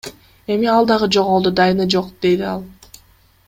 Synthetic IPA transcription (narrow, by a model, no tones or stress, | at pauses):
e̞miɑlˠd̪ɑʁɯd͡ʒo̞ʁolˠd̪ud̪ɑjnɯd͡ʒoqd̪e̞d̪iɑlˠ